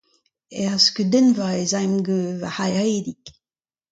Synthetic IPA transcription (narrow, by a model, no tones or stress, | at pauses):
ɛʁskyd̪ɛnvaezajmɡøvahajʁed̪ik